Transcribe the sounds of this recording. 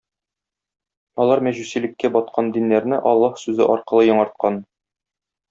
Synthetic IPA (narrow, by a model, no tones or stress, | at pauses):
ɒlˠɑɾmæʑʉsilɘ̆kːæbɒt̪̚qʰɑnd̪inːæɾnɘʔɒlˠːɑhsʉzɘ̰ʔɒɾqɤ̆lˠɤjɒ̆ɴɑɾt̪̚qɑn